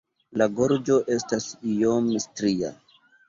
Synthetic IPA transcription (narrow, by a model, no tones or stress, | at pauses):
laɡoɾd͡ʒo̞ʔe̞stasijomistɾia̰